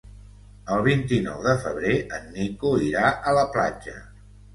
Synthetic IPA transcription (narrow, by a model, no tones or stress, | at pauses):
əlˠβ̞int̪inɔ̰wðəfəβ̞ɾeʔənːikuiɾaʔələpla̰d͡ʒə̰